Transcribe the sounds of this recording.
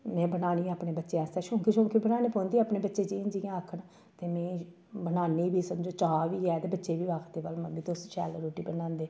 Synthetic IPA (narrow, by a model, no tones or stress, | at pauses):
mɛ̃ːbənaːniːaːpɽeːbətːʃeːɛːst̪ɛːʃõːŋkiʃõːŋkibənaːniːpõːnd̪iːaːpneːbətːʃeːd͡ʒiːnd͡ʒijãːakʰəɳ | t̪eːmɛ̃ː | bənaːniːbiːsəmd͡ʒoːt͡ʃaːʋiːɛːt̪eːbətːʃeːbiːʋaːkʰd̪eːʋəlməbiːt̪osʃɛːlɾoːʈiːbənãːnd̪eː